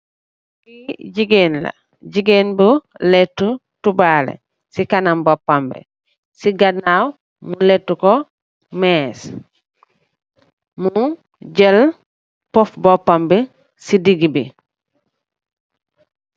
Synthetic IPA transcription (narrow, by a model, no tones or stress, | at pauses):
biɟiɡenla̰ | ɟiɡenbuletːu | tubaːlḛ | sikanambopːambḛ | siɡanaw | muletːuko | meːs | mu | ɟel | pofbopːambe | sidiɡibi